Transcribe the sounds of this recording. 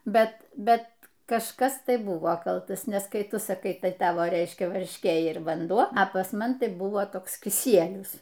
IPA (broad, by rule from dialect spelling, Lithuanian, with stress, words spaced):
ˈbʲɛt ˈbʲɛt kɐʃˈkɐs ˈtɐɪ ˈbʊʋoː ˈkɐlˠtɐs nʲɛs ˈkɐɪ ˈtʊ sɐˈkɐɪ ˈtɐɪ ˈtɑːʋoː ˈrʲɛɪʃʲkʲɛ ʋɐrʲʃʲˈkʲeː ɪr ʋɐnˈduɔ ɐ pɐs ˈmɐn ˈtɐɪ ˈbʊʋoː ˈtoːks kʲɪˈsʲiɛlʲʊs